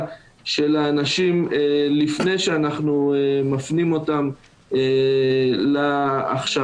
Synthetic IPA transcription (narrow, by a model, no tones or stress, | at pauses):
ʃe̞laːnaʃimelifne̞jʃeanaχnumafnimo̞tam | e | laːχʃa